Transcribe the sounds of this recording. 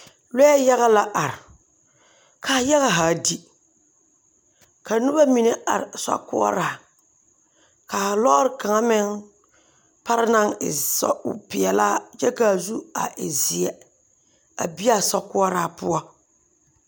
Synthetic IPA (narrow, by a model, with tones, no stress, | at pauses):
lɛ˦ɛ˦ja˦ɣa˦la˦ʔa˨ɾɪ˨ | kʰa˨ja˦ɣa˦ɦaː˨di˦ | ka˨nu˦ba˦mi˨ne˦ʔa̰˨ɾɪ˨sa̰˦kʊ̰˦ɔ̰˦ɾaː˨ | ka˨a˨lɔ˦ɾɪ˦ka˨ŋa˦mɪ˦ŋ | pa˦ɾɪ˦na˦ŋɪ˨sɔ̰˦ʊ̰˨pɪ˨ɛ˨laː˦t͡ʃɛ˦ka˨zu˦a˨ʔɪ˨zɪ˨ɛ˨ | a̰˨bi˦a˦sa˦kʊ˦ɔ˦ɾaː˨pʊ˦a˦